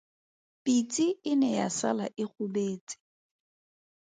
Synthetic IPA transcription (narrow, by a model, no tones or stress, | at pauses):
pʼit͡sʼiɪnɛjasa̰laʔɪχʊbeːt͡sʼɪ̥